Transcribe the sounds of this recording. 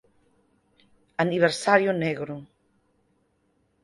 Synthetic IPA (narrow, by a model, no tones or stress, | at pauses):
aniβeɾsaɾjoneɣɾu